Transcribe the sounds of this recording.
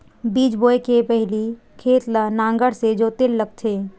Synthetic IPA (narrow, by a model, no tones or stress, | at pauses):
biːd͡ʒboːekepɛɦli | kʰeːt̪lanãːŋɡəɽsed͡ʒoːt̪ɪlləɡ̚t̪ʰeː